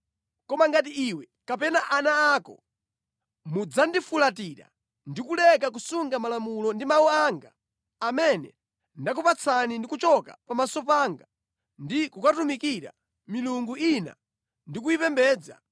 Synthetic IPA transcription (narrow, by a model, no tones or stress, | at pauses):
kɔmaŋɡat̬iiwɛ | kapɛnaʔanaːkɔ̰ | mud͡zandifulatiɾa̰ | ndikulɛkak̬usuŋɡamalamulɔndimawuaŋɡaː | mɛnɛ̰ | ndak̬upat͡sʰanindikut͡ʃɔka̰pamasɔpaːŋɡa | ndikukatumikiɾa̰ | miluŋɡuina̰ | ndik̬uipɛmbɛːd͡za̰